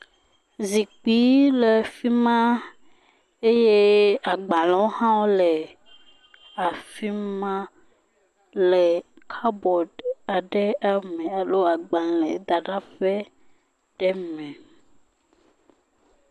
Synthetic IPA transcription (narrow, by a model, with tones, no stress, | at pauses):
zi˨k͡pi˨˦le˨fi˦mã˦ | e˦je˦a˨ɡ͡bã˨lɔ̃˨˦wo˦hã˦wo˦lɛ˨ | a˨fi˦mã˦ | lɛ˨kʰa˦bɔ˨ɖa˨ɖɛ˦a˨mɛ̃˨a˨lo˦a˨ɡ͡ba˨lẽ˨˦d̪a˨ɖa˦fe˦ | ɖ̥ɛ˦mɛ̃˨